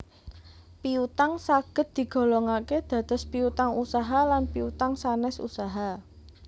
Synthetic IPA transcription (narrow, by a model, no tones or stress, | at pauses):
piut̪aŋsaɡ̥ə̤t̪̚d̪̥i̤ɡ̥o̤lɔŋaked̪̥ä̤d̪̥ɔ̤spiut̪aŋusaɦalanpiut̪aŋsanɛsṵsaɦa